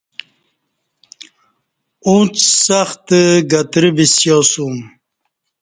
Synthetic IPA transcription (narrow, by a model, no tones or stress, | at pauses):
ũːt͡ssaxt̪əɡɐt̪ɾibisjɔsum